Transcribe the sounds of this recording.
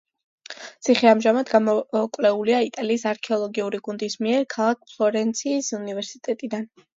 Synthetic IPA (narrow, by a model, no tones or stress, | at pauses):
t̪sʰiχiamʒamad̪ɡamɔkʼwvlɛuliait̪ʼaliːsaɾkʰɛɔlˠɔɡiuɾiɡund̪ismiɛɾkʰalˠak̚ʰpʰlˠɔɾɛnt̪sʰiːsunivɛɾsit̪ʼɛt̪ʼid̪an